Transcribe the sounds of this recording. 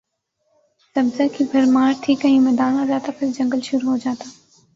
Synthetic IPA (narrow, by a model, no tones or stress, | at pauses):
sɐbzəkibʱɐɾmaːɾt̪ʰikɐɦĩmɛːd̪aːnãɾaːt̪apʰɪɾd͡ʒɐ̃ŋɡəlʃʊɾuɦod͡ʒaːt̪aː